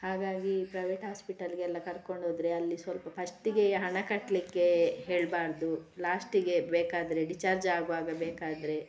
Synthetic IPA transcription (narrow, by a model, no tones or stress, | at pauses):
haːɡaːɡipɾɐjʋeːʈɦaːspiʈɐlɡɛlːɐkɐɾko̞ɳɖʱoːd̪ɾe̞ɐlːisʋɐlpɐpʰɐsʈiɡeɦɐɳɐkɐʈːlikːe̞ɦeːɭbaːɾd̪ulaːsʈiɡe̞beːkaːd̪ɐɾe̞ɖit͡ʃaːɾd͡ʒaːɡʋaːɡɐbeːkaːd̪ɾe̞